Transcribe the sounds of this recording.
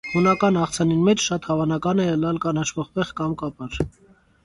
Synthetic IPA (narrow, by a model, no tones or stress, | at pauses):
hunɑkɑnɑχt͡sʰɑninmɛt͡ʃʰʃɑt̪hɑvɑnɑkɑnɛəlɑlkɑnɑʃʰvɔʁpɛʁkɑmkɑpɑɾ